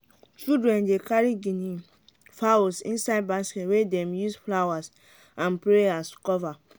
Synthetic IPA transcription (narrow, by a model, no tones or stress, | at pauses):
t͡ʃudɹɛ̃ndekaɾiɡini | faosḭ̃nsaɪd̚basketwedɛ̃mjusflawas | ãnpɹeaskɔva